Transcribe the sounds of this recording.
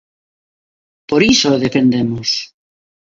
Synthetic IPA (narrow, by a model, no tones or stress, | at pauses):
poɾisoðepend̪emos